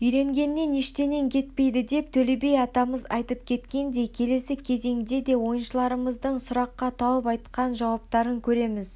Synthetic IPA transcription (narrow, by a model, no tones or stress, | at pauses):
ʏjɾe̞ŋɡʲe̞nːe̞neʃt̪e̞ne̞ŋkʲʰe̞t̪pe̞jd̪ɪd̪e̞p̚t̪ʰɵle̞be̞jɑt̪ɑməzɑjt̪əp̚kʲʰe̞t̪kʲe̞nd̪e̞kʲʰe̞le̞sɪkʲʰe̞ze̞ŋd̪e̞d̪e̞wo̞jənʃəlˠɑɾəməzd̪əɴsʊɾɑqːɑt̪ʰɑwəpɑjt̪qɑnʒɑwɑp̚t̪ɑɾəŋkʲʰɵɾe̞mɪz